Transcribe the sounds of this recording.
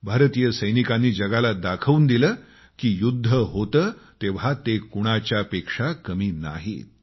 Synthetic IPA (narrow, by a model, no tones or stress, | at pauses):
bʱaɾt̪ijəsəjnikanːiːd͡ʑəɡalad̪akʰəuːnd̪iləː | kiːjud̪ʱːəɦot̪əːt̪eʋ̤at̪ekuɽ̃at͡ɕjapekʂakəmiːna̰ɦḭːt̪